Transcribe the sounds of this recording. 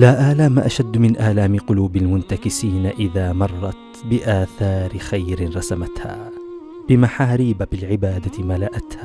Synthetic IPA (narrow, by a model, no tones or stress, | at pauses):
laːʔaːlaːmaʔaʃad̪ːmɪnʔaːlaːmɪqʊluːbalmʊnt̪akɪsiːnaʔɪðaːmɑrˤːɑt̪ | bɪʔaːθɑːɾɪxajɾɪnɾˤɑsamat̪ha̰ː | b̥ɪmaħaːɾiːbabɪlʕɪbaːd̪amalaʔat̪haː